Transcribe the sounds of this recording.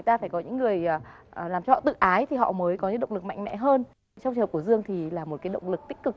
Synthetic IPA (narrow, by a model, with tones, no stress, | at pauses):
jt̪aː˧faː˧˩jkɔ˨˦ɲɨ̰˧˥ŋːɨ˨˩əjːlaː˨˩mt͡ɕɔ˧hɔ̰˧˨˩t̪ɨ̰˧˨ʔaː˨˦jt̪ʰi˨˩ɔ̰˧˨məː˨˦jkɔ˨˦ɲɨ̰˧˥ɗə̰˧˨wŋ͡mlɨ˨˩k̚ma̰˧˨jŋ̟mɛ̰˧˥ɦəː˧n | t͡ɕa˧wt͡ɕ̚ːkzɨ˧əŋt̪ʰi˨˩laː˨˩mo˨˩t̚kaː˨˦jɗə̰˧˨wŋ͡mlɨ˨˩k̚t̪ï˦˥k̟̚kɨ˨˩k̚